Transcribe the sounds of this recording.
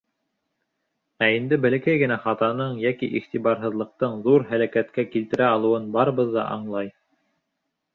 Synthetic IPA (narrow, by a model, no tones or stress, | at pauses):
æind̪ɘbɘ̆lɘ̆kæjɡɘ̆næχɑt̪ɑnɤɴjækḭʔiχt̪iβɑɾɦɤ̆ðlˠɤ̆q̚t̪ɤɴðuɾɦælækæt̪kækilt̪ɘ̆ɾæɑlˠɤ̆wɤnbɑɾɤ̆βɤðːɑ̰ʔɑ̰ɴlˠɑj